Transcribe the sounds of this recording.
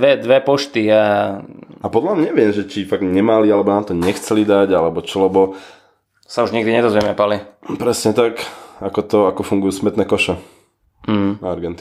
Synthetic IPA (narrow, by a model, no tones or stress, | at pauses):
ʋɛd̪ʋɛpɔʃt̪ia | apɔd̪lamɲɛʋɪɛmʒɛt͡ʃifaɡɲɛmalialɛbɔnaːmt̪ɔɲɛxt͡sɛlid̪aɟalɛbɔt͡ʃɔlɛbɔ | sauʒɲɛɡd̪iɲɛd̪ɔzʋɛmɛpalipɾɛsɲɛt̪akakɔt̪ɔakɔfuŋɡujuːsmɛt̪nɛːkɔʃɔ | ɦaɾɡɛnt̪i